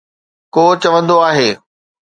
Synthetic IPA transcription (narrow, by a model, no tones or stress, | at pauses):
koːt͡ɕɐʋə̃nd̪oaːɦeː